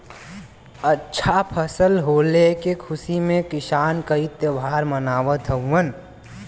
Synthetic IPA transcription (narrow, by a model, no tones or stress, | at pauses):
ətːʃʰapʰəsəlɦoːlekekʰʊsimẽkɪsaːnkəit̪jəbʱaːɾmənaːʋət̪ʰəũən